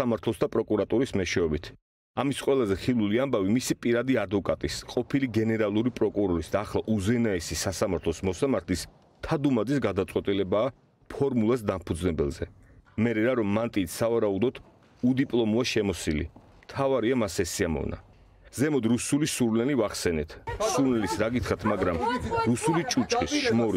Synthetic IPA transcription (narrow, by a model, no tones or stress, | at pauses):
amaɾt̪ʰlˠɔsd̪apʼɾɔkʼuɾat̪ʼuɾismɛʃɛɔbit̪ʰ | amisqʼwɛlˠazɛχilˠuliambavimisipʼiɾad̪iad̪vɔkʼat̪ʼisqʼɔpʰiliɡɛnɛɾalˠuɾipʼɾɔkʼuɾɔɾisd̪aːχlˠaʔuzɛnaɛsisasamaɾt̪ʰlˠɔsmɔsamaɾt̪ʰlis | t̪ʰad̪umad̪zisɡad̪at̪sʼwɛt̪ʼilɛbaː | pʰɔɾmulˠas̬d̪ampʰud̪znɛbɛlˠzɛ | mɛɾɛɾaɾɔmːant̪ʼiːt̪ʰsavaɾaud̪ɔt̪ʰ | ud̪ipʼlˠɔmuaʃɛmɔsilḭ | mt̪ʰavaɾiamasɛsiamɔ̰vna̰ | z̥ɛmɔd̪ɾusulisuɾlɛlivaχsɛnɛt̪ʰsuɾnɛlisɾaɡit̪ʰχɾat̪ʰmaɡɾamɾusulit͡ʃʼut͡ʃʼχʼisʃmɔɾ